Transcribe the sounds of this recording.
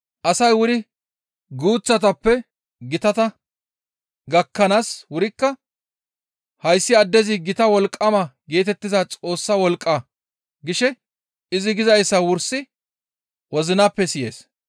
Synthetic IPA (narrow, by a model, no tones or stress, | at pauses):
ʔɐsɐjwʊɾɪ | ɡuːt͡sːɐt̪ɐpːɛ | ɡɪt̪ɐt̪ɐ | ɡɐkːɐnaːswʊɾɪkːɐ | hɐjsːɪɐd̪ːɛzɪɡɪt̪ɐwɔlkʼːɐmɐɡe̞ːt̪ɛt̪ːɪzɐt͡sʼo̞ːsːɐwɔlkʼːɐ | ɡɪʃɛ | ɪzɪɡɪzɐjsːɐwʊɾsɪ | wɔzɪnaːpːɛsɪje̞̰ːs